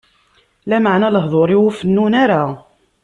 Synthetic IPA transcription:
læmaʕnæləɦðˤoɾˤiwufənːunaɾa

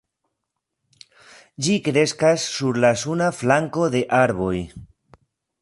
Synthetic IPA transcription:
d͡ʒikɾe̞skasːuɾlasunaflaŋko̞d̪e̞ʔaɾβo̞j

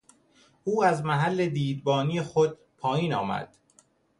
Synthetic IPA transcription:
ʔuːæzmæɦælːe̞d̪iːd̪bɒːnijexod̪̥̚ | pʰɒːjiːnɒːmæ̰d̪̥

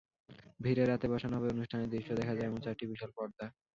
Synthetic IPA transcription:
bʱiɾeɾːat̪ebɔʃanɦɔbeonuʃʈʰaned̪iɾʃːod̪ɛkʰad͡ʑaeɛmont͡ɕaɾʈibiʃolpɔɾd̪a

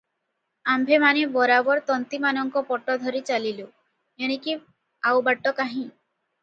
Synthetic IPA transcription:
ambʱemanebɔɾabɔɾt̪ɔnt̪imanɔŋkɔpɔʈɔd̪ʱɔɾit͡ʃalilu | eɽ̃eki | awbaʈːɔkaɦĩ

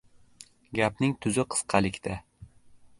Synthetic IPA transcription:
ɡʲapnɪŋt̪ʰʊzɪqʰɨ̥sqʰɑlɪkʲt̪ʰa

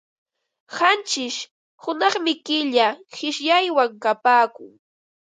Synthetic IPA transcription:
hant͡ʃɪʃ | hʊnɑχmɪkɪʎahɪʃjajwaŋkapaːkʊ̰ŋ

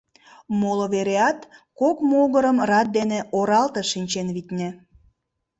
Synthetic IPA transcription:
moloβeɾeɑt̪kokmoɣəɾəmrɑt̪̚d̪eneoɾɑlt̪eʃinʲt͡ɕenβit̪ʲnʲĕ

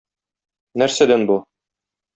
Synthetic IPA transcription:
næɾsæd̪ænbu

